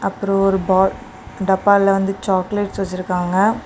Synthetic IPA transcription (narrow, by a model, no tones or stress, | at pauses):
ɐpːɯɾõɔɾɯbaː | ɖɐpːaːɪlɐʋɐnd̪ɯt͡ʃaːkleːʈsʋɐt͡ʃːɪɾɯkːaːŋɡɐ